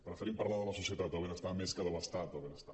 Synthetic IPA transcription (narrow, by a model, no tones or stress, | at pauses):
pɾəfeɾimpaɾlaðələsusjət̪at̪owβenəst̪ameskəðəβəst̪at̪owβenəst̪a